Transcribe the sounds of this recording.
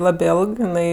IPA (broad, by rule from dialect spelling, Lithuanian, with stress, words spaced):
ˈlˠɑːbʲeː ˈeːlˠk jɪˈnɐɪ